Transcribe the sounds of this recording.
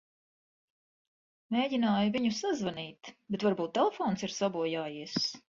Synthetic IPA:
meːɟinaːjuviɲusazvaniːt̪bet̪vaɾbuːt̪ːɛlˠefɔːnsiɾsabuɔjaːjiɛs

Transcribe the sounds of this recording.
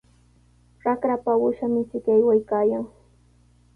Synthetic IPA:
ɾakɾapawʊʃamɪt͡ʃɪkajwajkaːjaŋ

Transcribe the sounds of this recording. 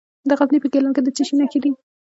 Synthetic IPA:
d̪əɣaznipəɡelanked̪ət͡siʃinaxid̪i

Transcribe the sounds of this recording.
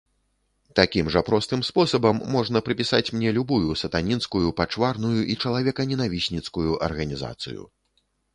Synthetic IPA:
t̪akʲimʐɐpɾɔst̪ɨmspɔsɐbɐmːɔʐn̪ɐpɾɨpʲisat͡sʲmnʲɛlʲubujusɐt̪anʲinskujupat͡ʂvarnujuʔit͡ʂɐlˠavʲɛkɐnʲɛnavʲisʲnʲit̪skujuʔɐ̰rɣɐnʲiza̰t̪sɨ̰jṵ

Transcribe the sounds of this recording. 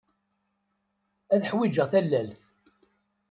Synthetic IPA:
æðħwid͡ʒəʁθælːælθ

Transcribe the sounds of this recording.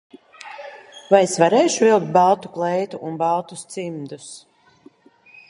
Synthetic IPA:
vajesvaɾeːʃuvilˠk̚t̪̚balˠt̪u̥klˠɛjt̪uʔunbalˠt̪ust̪simd̪us

